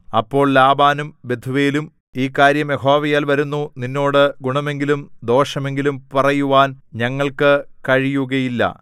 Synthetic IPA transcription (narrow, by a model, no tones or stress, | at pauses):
ɐpːo̞ːɭlaːbaːnumbe̞d̪ʱuʋeːlum | iːkːaːɾjɐme̞ho̞ːʋɐjaːlʋɐɾunːuninːo̞ːɽɨɡuɳɐme̞ŋɡilumd̪o̞ːʂɐme̞ŋɡilumpɐrɐjuʋaːnɲɐŋːɐɭkɨkɐɻijuɣɐjilːɐ̰